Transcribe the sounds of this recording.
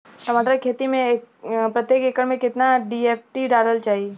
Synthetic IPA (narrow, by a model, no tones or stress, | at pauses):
sɐmaːʈ̪ɾakʰeːt̪imẽpɾɐt̪jeːkeːkəɽmẽkɪt̪naɖieːfʰʈiɖaːləlt͡ʃaːɦi